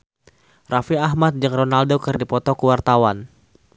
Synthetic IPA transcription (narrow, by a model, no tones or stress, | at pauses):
rafiaɦmat̪̚d͡ʒɨŋronaldokɨrdipɔt̪ɔkuwart̪awan